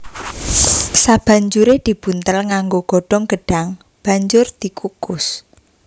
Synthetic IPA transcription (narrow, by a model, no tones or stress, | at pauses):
sab̥ä̤ɲd͡ʒuɾed̪̥i̤b̥unt̪əlŋaŋɡoɡ̥ɔ̤ɖ̥ɔ̤ŋɡ̥əɖ̥aŋ | b̥a̤ɲd͡ʒʊrd̪̥i̤kukʊs